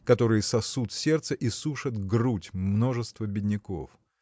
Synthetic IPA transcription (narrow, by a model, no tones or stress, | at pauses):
kɐt̪o̞ɾɨjəsɐsut̪sʲert̪səʔisuʂɨt̪ɡrutʲmno̞ʐɨst̪vəbʲɪdʲnʲɪko̞̰f